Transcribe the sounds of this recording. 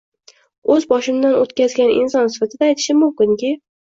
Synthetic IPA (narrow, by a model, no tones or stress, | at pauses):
ɵzbɒʃɪmd̪anot̪kʲʰazɡʲanɪ̰nsɒnsɪfat̪ʰɪd̪aːjt̪ʰɪ̥ʃɪmʊmkʲɪŋkʲɪ